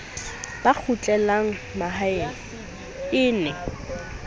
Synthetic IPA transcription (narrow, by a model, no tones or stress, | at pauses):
b̥ak͡xʰʊt͡ɬʼɛlaŋ̩maɦa | ɪːnɛ